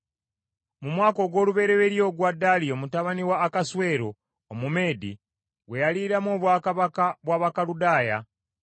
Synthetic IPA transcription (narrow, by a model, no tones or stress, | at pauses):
mumwaːko̞ɡwo̞ːluβe̞ɾeβeɾjo̞ːɡwadːalio̞mutaβaniwaːkaswe̞ːɾo̞ː | mume̞ːdḭ | βwe̞jaliɾamoːβwaːkaβakaβwaːβakaludaːja